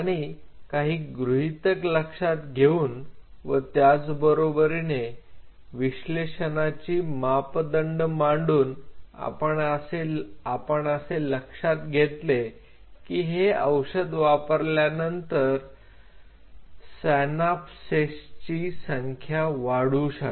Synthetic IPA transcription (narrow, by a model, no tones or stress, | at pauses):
aɽ̃ikaɦiːɡɾuɦit̪əkləkʂat̪̚ɡʱeuːnʋət̪jat͡sbəɾobəɾine | ʋiɕleɕənat͡ɕiːmapd̪əɳɖmaɳɖuːna̰pəɳəseapəɳəseləkʂat̪ɡʱet̪le | kiːɦeəwɕəd̪ʋapəɾljanənt̪əɾ | sɛnapsest͡ɕiːsəŋkʰjaʋaɽuːɕa